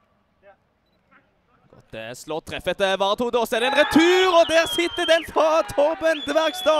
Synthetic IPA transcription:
ɡ̥ɔ̰t̪̚d̪ɛæsloːʁt̪ʰʁɛfət̪əʋɑːʁt̪ʰuːd̪oːsɛd̪ɛnʁɛt̪ʰʉːʁɔd̪æːʁsɪt̪ːəd̪ɛnfʁɑt̪ʰɔʁbənt̪əʋæʁkst̪ɑː

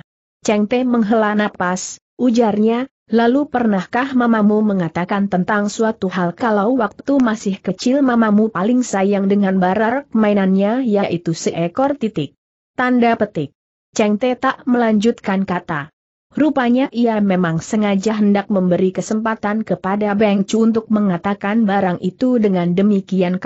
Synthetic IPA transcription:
t͡ʃɛŋt̪eməŋɦəlanapas | ʔud͡ʒarɲa | lalupərnahkahmamamuməŋat̪akant̪ənt̪aŋsuat̪uɦalkalawwak̚t̪umasɪhkət͡ʃɪlmamamupalɪŋsajaŋdəŋanbaɾarkəmainanɲajaʔit̪usəʔɛkɔrt̪it̪ɪk̚ | t̪andapət̪ɪk̚ | t͡ʃɛŋt̪ɛt̪aʔməlaɲd͡ʒut̪̚kankat̪a | rupaɲaʔiamemaŋsəŋad͡ʒaɦəndak̚məmbəɾikəsəmpat̪ankəpadabɛŋt͡ʃuunt̪ʊk̚məŋat̪akanbaɾaŋʔit̪udəŋandəmikiank

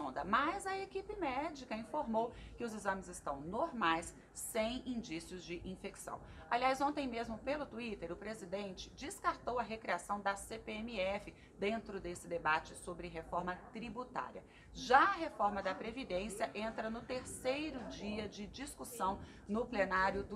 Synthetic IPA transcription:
d̪ɐmɐzɐekipɪmɛd͡ʒikɐĩfoɾmowkɪʊzizɐ̃mɪzɪst̪ɐ̰̃w̃noɾmajsː | ẽj̃ĩd͡ʒisiʊzd͡ʒɪʔĩfeksɐ̰̃w̃ | aliajzõnt̪ẽj̃mezmʊpelʊt̪uit̪eɾʊpɾezid̪ẽnt͡ʃɪ̥d͡ʒɪskaɾt̪owɐɦekɾiasɐ̃w̃d̪ɐsepeemiɛfɪ | d̪ẽnt̪ɾʊd̪esɪd̪ebat͡ʃɪsobɾɪɦefɔɾmɐt̪ɾibut̪a̰ɾiɐ̰ | ʒaɐɦefɔɾmɐd̪ɐpɾevid̪ẽsjɐʔẽnt̪ɾɐnʊt̪eɾsejɾʊd͡ʒiɐd͡ʒɪd͡ʒiskusɐ̃w̃ | nʊplenaɾjʊd̪

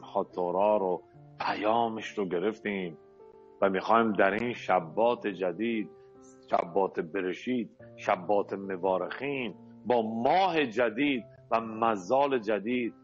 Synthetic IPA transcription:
hɒːt̪ʰoɾɒːɾo | pʰæjɒːmeʃɾoɡe̞ɾeft̪iːm | væmixɒːiːmd̪æɾiːnʃæbːɒːt̪ʰed͡ʒæd̪iːd̪̚ | ʃæ̰bːɒːt̪ʰebeɾeʃiːd̪̥ʃæbːɒːt̪ʰemevɒːɾexiːn | bɒːmɒːhe̞d͡ʒæd̪iːd̪̚ | væmæzːɒːle̞d͡ʒæd̪iːd̪̚

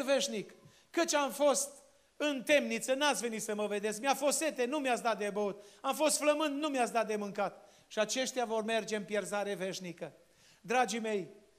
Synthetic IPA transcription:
ve̞ʃnikː | ət͡ʃʲamfo̞st̪ | ɨnt̪e̞mnit̪sənat̪sʲve̞nit̪səməve̞d̪es̬kmiafo̞se̞t̪e̞numjat̪s̬d̪at̪̚d̪ebəut̪amfo̞st̪fləmɨnd̪numjat̪sd̪at̪̚d̪e̞mɨŋkat̪ | ʃiat͡ʃe̞ʃt̪ʲjavo̞rme̞rd͡ʒe̞ɨmpjerzaɾe̞ve̞ʃnikə | d̪ɾad͡ʒime̞j

